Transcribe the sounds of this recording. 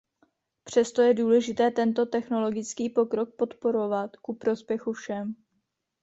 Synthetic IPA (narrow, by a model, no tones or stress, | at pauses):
pr̝̥ɛst̪o̞jɛduːlɛʒɪt̪ɛːt̪ɛnt̪o̞t̪ɛxno̞lo̞ɡɪt͡skiːpo̞kɾo̞k̚po̞t̪po̞ɾo̞vat̪kupɾo̞spjɛxufʃɛm